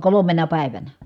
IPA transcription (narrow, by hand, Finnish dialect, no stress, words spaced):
kolomenɑ pæˑi̯ʋænæ